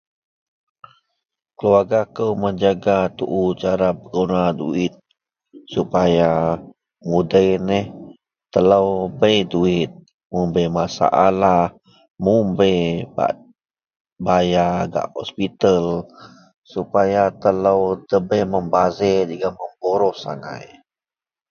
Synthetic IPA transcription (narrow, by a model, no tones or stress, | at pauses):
kəluarɡakəwməɲd͡ʒaɡat̪uʔut͡ʃaɾapəɡunadṵɪt̪̚ | supaja | mudəjnɛh | t̪ələwbəjduit̪̚ | mumbəjmasa̰ʔalah | mumbəjba̰ʔ | bajaɡa̰ʔhɔ̰spit̪əl | supajat̪ələwdəbəməmbazɛd͡ʒəɡaməmboɾɔhsa̰ŋa̰j